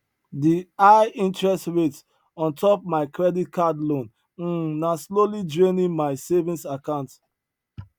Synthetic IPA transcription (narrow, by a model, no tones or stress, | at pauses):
diaɪĩntɹɛstɹet | ɔ̃ntʰɔp̚maɪkɹɛdit̚kʰadlõn̩ | naslolidɹẽnĩnmaɪsevĩnsakãʊ̃nt